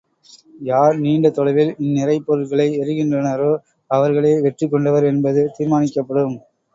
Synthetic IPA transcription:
jaːɾniːɳɖɐt̪ːɔlɐɪʋɪlɪnːɪrɐɪpːɔɾɯlɣɐɭɐɪɛɾɯɣɪndrɐnɐɾo | ɐʋɐɾɣɐɭeːʋɛʈrik̬ːɔɳɖɐʋɐɾɛnbɐðɯt̪iːɾmaːnɪkːɐpːɐɽɯm

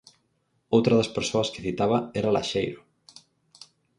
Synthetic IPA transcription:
owt̪ɾɐðɐspeɾsoɐske̥θit̪aβ̞ɐɛɾala̰ʃejɾo

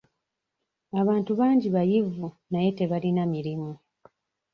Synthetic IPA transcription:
aβaːntuβaːɲɟiβajivu | naje̞te̞βalinamiɾimu

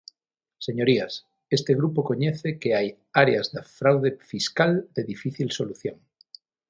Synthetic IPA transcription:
seɲoɾias | est̪eɣ̞ɾupokoɲɛθekeaj | aɾeazðafɾawðefiskald̪eðifiθilsoluθjoŋ

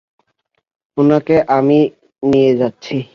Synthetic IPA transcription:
onakeʔami | nijed͡ʑatːɕʰi

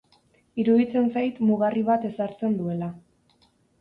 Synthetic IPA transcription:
iɾuðit͡se̞nsajt̪muɣ̞ariβat̪e̞saɾt͡se̞nd̪ue̞la

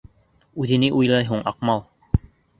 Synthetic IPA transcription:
ʉðɘ̆nɘʔujlˠɑjɦuɴɑqmɑlˠ

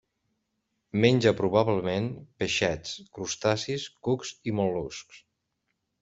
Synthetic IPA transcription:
menʲd͡ʒəpɾuβaβləmenpeʃɛt͡skɾust̪asiskukzimolˠusks

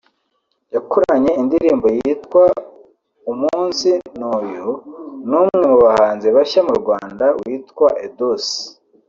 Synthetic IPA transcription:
jakoɾaɲe̞indiɾiːmbo̞jiːtkwa | umuːnsinoːjunuːmŋe̞muβahaːnzeβaçamuɾɡwaːndawiːtkwaʔedos

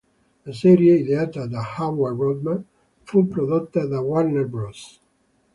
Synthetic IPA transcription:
lasɛɾjeiðeaːt̪ad̪ahawarɔd̪mãn | fupɾoðot̪ːaðawaɾneɾbɾɔs

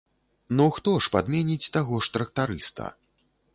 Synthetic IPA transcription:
nɔxt̪ɔʂpad̪mʲɛnʲit͡sʲt̪aɣɔʂt̪ɾɐk̚t̪aɾɨst̪ɐ̰

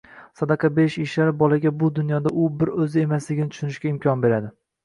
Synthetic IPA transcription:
sad̪ɑqʰɑbeʃɪʃlaɾɪbɒlaɡʲabʊd̪ʊnjɒd̪aʔʊbɪɾɵzɪe̞maslɪɡʲɪnɪt̪ʰʊ̥ʃʊnɪʃkʲaɪmkʰʲɒnbe̞ɾad̪ɪ

